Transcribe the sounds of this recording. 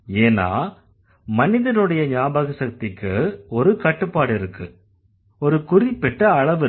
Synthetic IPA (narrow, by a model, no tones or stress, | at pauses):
eːna̰ː | mɐnɪðɐnɯɽɐjɐɲaːbaɣɐsɐk̚t̪ɪkːɯɔɾɯkɐʈːɯpːaːɽɪɾɯkːɯ | ɔɾɯkʊrɪpːɪʈːɐɐɭɐʋɯ